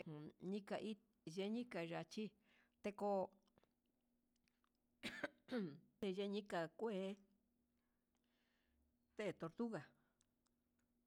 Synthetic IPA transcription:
ɲĩ˦ka˧ʔi˦ | ʒe˧˦ɲĩ˦ka˨˧ʐa˨t͡ʃi˦ | t̪e˧ko˧ | t̪e˧ʒe˧˦ɲĩ˦ka˧kʷe˦ | t̪e˦˨t̪o˧ɾt̪u˦ɣa˨

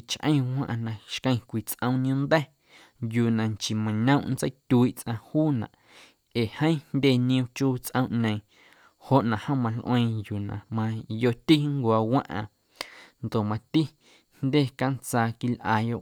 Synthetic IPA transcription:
t͡ʃʔə̰̃˦j̃wʷã̰˦ʔã˧nã˨ʃkə̃˧j̃kʷi˨t͡sʔə̃˦w̃ñ˦ũ˦nd̪ɛ˦ | juː˨nã˨ŋt͡ʃi˨mã˨ɲə̃˦ʔnt͡sə˦t̪ʲu˧i˦˨ʔt͡sʔã˧huː˦nã̰˨ʔ | eː˨hə̃˦ĩ˦ndʲe˦nĩ˧ũ˧t͡ʃuː˦t͡sʔə̃˦w̃ʔɲə̃˨j̃ | ho˨ʔnã˨ʔhə̃˦mã˧lʔw̃ẽ˧juː˨nã̰˨mã˧jo˧t̪i˦ŋkʷaː˧wã̰˦ʔã̰˧ | nd̪o˨ʔmã˧t̪i˦ | nd̪ʲe˦˨ka˦nt͡saː˧ki˧lʔaː˧jo˦˨ʔ

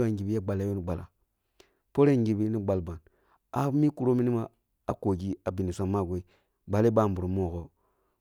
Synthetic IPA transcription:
a˦˨ŋɡi˨bi˦ja˦ɡ͡ba˨la˨˦jo˦ni˨ɡ͡ba˨la̰˨ | po˦ɾe˦ŋɡi˨bi˦ni˦ɡ͡ba˨lba˨n | a˨˦mi˦ku˨ɾo˦mi˦ni˦ma˦ | a˨ko˨d͡ʒi˦a˨bi˨ni˨sʷa˦˨ma˦˨ɡʷe˦i˦ | ɡ͡ba˨le˦ba˦˨mbu˨ɾo˨mo˦˨ko˦

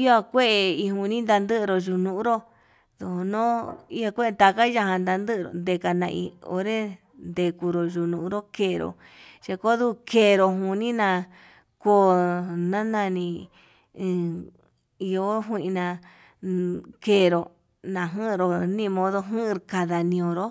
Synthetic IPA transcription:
i˦o˦a˧kʷe˦ʔe˧i˧ɦũ˧nĩ˦nd̪a˧nd̪ɨ˦ʔɾo˧ʒu˧nũ˧ʔu˦ɾo˦ | ðo˧˨˧nõ˦i˦a˧kʷe˦e˧t̪a˧ka˦ja˧hã˧nd̪a˧nd̪ɨ˦˧ɾo̰˨nd̪e˧˨ka˧nã˧ḭ˧o̰˧˦ɾe˦ | nd̪e˧ku˧ɾo˨ʒu˧nũ˧ʔɾo˦keː˧˨˧ɾo̰˨ | ʃe˧ko˦ðu˦˧ke˧˨˧ɾo˧ɦũ˧nĩ˦nã˧ | ko˦nã˦nã˧nĩ˧ | i˧o˧˦ɦi˦˧ʔĩ˧nã˧ | ke˧˨ɾo˨ | nã˧ɦɨ̃˦ʔɾo˧˨nĩ˦˧mõ˧ðo˦ɦɨ̃˦ʔɾka˧ða˨nĩ˧õ˧ɾo˦

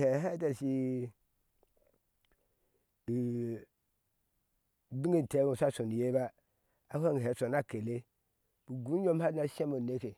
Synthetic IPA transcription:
he˨˦ɦa˦ta˨si˦ | i˨ | bi˦ŋe˦˨n˨te˨˦ɡu˨sʷa˦so˨ni˨je˦ba˦ | a˦ha˦ŋ˨ɦe˨so˨na˦ke˨le˦ | b̥u˨ɡu˨˦jo˦mha˦na˨˦se˦mo˨ne˦ke˨

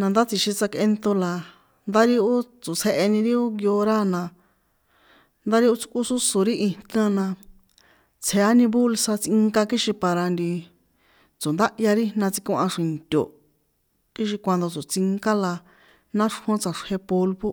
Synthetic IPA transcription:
nã˧nd̪a˦t͡si˧ʃi˧t͡sa˧ke˧nt̪o˧la˨ | nd̪a˦ɾi˦o˦t͡so˨t͡sʰe˧ʔe˧nĩ˧ɾi˦o˦ŋɡjo˧ɾa˦nã˧ | nd̪a˦ɾi˦o˦t͡su̥˧kʼu˦su˦so˨ɾi˦ʔi˧nã˧nã˧ | t͡sʰe˧a˦nĩ˧bu˦lsa˧t͡sĩ˧ŋka˧ki˦ʃĩ˧pa˧ɾa˧nd̪i˧ | t͡so˨nd̪a˦ʔja˧ɾi˦nã˧t͡si˧kũ˧ʔã˧ʂĩ˨nt̪ʲo̰˨ | ki˦ʃ̬i˧kʷa˧nd̪o˧t͡so˨t͡si˧ŋka˦la˧ | nã˦ʂhõ˧˦t͡sa˧ʂhe˧po˧lβo˦

